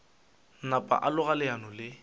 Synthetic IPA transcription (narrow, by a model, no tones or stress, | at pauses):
napʼa̰ʔalʊɣalɪanɔlɪ